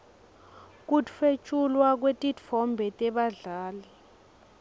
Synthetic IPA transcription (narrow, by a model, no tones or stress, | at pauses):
k̬utfet͡ʃʼulwak̬wetʼitfɔmbʱɛtʼɛɓaɮaːli